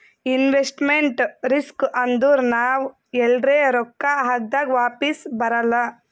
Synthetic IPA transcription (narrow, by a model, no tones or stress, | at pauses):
inʋesʈmeɳʈɾiskʔɐnd̪uɾnaːʋ | ɛlɖɾeːɾɔkːaɦaːɡ̚d̪aːɡʋaːpisbɐɾɐlːɐ